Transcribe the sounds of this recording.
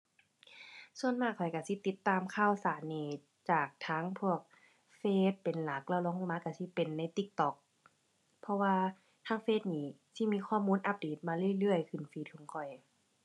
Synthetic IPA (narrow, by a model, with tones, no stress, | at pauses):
su˧ənmaː˧˥˩kʰɔ˨˩jka˧˩si˧˦t̪i˧˦t̪ːaː˧˨mkʰaː˧˥˩wsaː˨˦nːiː˧˩ | t͡ɕaː˨˩k̚t̪ʰaː˧˥ŋpʰu˧˩ək̚ | feː˧˩t̪̚pe˨nla˨˦k̚lɛ˧˩wlɔː˧˦ŋ˧˩maː˧˥ka˧˩si˧˦pe˨nːa˧˥˨jt̪i˧˦k̚t̪ɔ˧˦k̚ | pʰɔ˧waː˧ | t̪ʰaː˧˥ŋfeː˧˩t̪̚niː˧˩si˧˩miː˧˥˨kʰɔː˧˩˨muː˧˥˨nʔa˧˥p̚deː˨˩t̪̚maː˧lɯ˧˩ə˨lɯ˧˩əjkʰɯ˧˩nfiː˧˩t̪̚kʰɔː˨˦ŋkʰɔ˨˩j